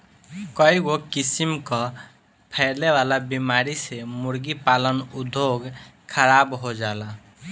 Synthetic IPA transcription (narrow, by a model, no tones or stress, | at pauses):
kɔiɡokisimkɔ | pʰɛɪleʋalabimaɾisemuɾɡipalənud̪ʱoɡ | kʰəɾabɦod͡ʒala